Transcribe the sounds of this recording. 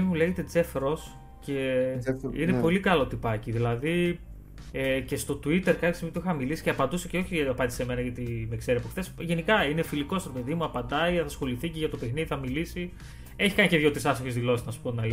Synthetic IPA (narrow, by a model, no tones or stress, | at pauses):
imule̞ʝet̪e̞d͡ze̞fɾo̞s | ce | inepo̞likɐlo̞t̪ipɐciðilɐði | ece̞st̪o̞t̪uit̪e̞ɾkɐlisimip̪uixɐmilisi̥ceɐpɐnd̪useceo̞çiɐpɐnd̪iseme̞nɐʝɐt̪imekse̞ɾiɐpoxθe̞sʝe̞nikɐinefiliko̞st̪ɾepeðimuɐpɐnd̪ɐiθɐsxo̞liθiceʝɐt̪o̞pexniðiθɐmilisi | e̞çi̥kɐniceðʝo̞t̪isɐsoçezðilo̞siznɐsu̥ponɐl